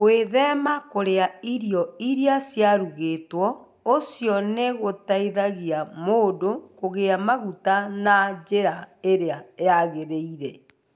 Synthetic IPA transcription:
ɣweðɛmakoɾeaiɾjɔiɾiasjaɾuɣetwɔ | osjɔneɣotaiðaɣiamodokoɣeamaɣutanad͡ʒeɾaeɾeajaɣeɾeiɾɛ

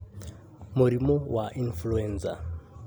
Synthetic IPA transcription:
muɾimɔwʔaʔinfluɛnsa̰

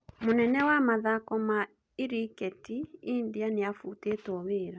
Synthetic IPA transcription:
monɛnɛwamaðakɔma | iɾikɛtiindianeafuteːtɔweːɾa

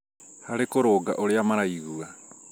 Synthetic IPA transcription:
haɾekoɾoːɡa̰ʔoɾeamaɾajɡua

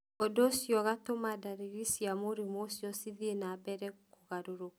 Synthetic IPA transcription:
ɔdosijɔɣatomadaɾiɾisjamoɾimɔsjɔsiðienabɛɾɛkoɣaɾoɾo

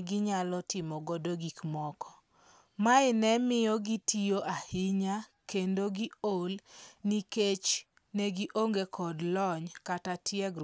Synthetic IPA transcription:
ɡɪɲalɔtɪmɔɡodoɡikmɔkɔ̥ | maɪnɛmɪjɔɡitʰijoʔahɪɲakendoɡiolniket͡ʃ | nɛɡiʔoŋɡekʰɔdlɔɲkatatʰjɛɡ

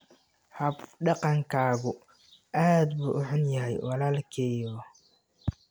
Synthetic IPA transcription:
hɐbɖɑqɑŋkʰaːɣʊ | ʔaːd̪buːʔʊħʊnjɐɦɛjwɑlaːlkʰɛːjɔ

